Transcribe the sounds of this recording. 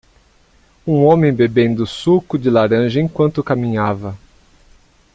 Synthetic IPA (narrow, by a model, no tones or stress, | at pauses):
ũõmẽj̃bebẽnd̪ʊsukʊd͡ʒɪlaɾɐ̃ʒɐẽkwɐ̃nt̪ʊkamĩɲavɐ